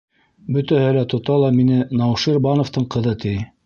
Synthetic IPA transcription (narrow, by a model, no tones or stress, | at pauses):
bɵ̆t̪æhɘlæt̪ŏt̪ɑlˠɑminɘnɑwʃiɾbɑnŏft̪ɤɴqɤ̆ðɤt̪ʰij